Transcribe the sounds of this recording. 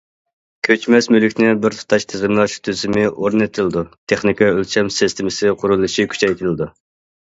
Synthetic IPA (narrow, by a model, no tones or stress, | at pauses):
kʲʰøt͡ʃmɛsmylykʲnɪbɪɾt̪ʰu̥t̪ʰɑʃt̪ʰezʁəmlˠɑʃt̪ʰyzɪmɪʔoɾnɨt̪ʰɪlˠɪd̪ut̪ʰeχnɪkʰɑølt͡ʃʰɛmsɪst̪ʰɪmɪsɪqʰʊɾulˠɨʃikʲʰy̥t͡ʃɛjt̪ʰɪlɪd̪u